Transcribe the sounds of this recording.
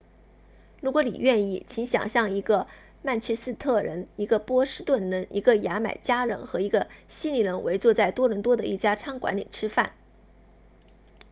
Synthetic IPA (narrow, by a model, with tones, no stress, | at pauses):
ɻu˧˥kwɔ˧˥lḭ˨˩ɥɛ˥˧ni˥˩t͡ɕʰi˧˥ŋɕjɑ̰˨˩ŋɕjɑ˥˩ŋi˧˥ɡə˧ | ma˥˩nt͡ɕʰɛ˥sɹ̩˥˧t̪ʰɤ˥˩ɻə˧˥ni˧˥ɡə˧pwɔ˥ʂɻ̩˥t̪wə˥˩nɻə˧˥nʔi˧˥ɡə˧ja˧˥ma̰˨˩ɪt͡ɕja˥ɻə̰˧˥nxɤ˧˥i˧˥ɡə˧ɕi˥ni˥˩lə˧˥nwʔe˧˥ɪt͡swɔ˥˧t͡sa˥˩ɪt̪wɔ˥ɻə˧˥nt̪wɔ˥d̪ə̰˨˧ʔi˥˩t͡ɕja˥ʈ͡ʂʰɑ˥ŋkwa̰˧˥nli˨˩ʈ͡ʂʰɻ̩˥fa˥˩n